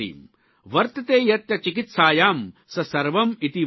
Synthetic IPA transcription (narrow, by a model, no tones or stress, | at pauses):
ḭːm | ʋɐɾt̪ɐt̪eːjɐt̪jɐt͡ʃikit̪saːjaːmsɐsɐɾʋɐmit̪i